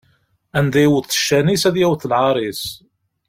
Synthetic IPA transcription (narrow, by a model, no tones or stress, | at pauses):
ænd̪æjwəθːʃːænisæðjæwθəlʕɑɾˤis